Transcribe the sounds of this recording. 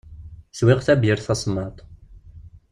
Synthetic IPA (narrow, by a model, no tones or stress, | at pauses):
swiʁθæbjəɾθɑsˤmɑt̪ˤ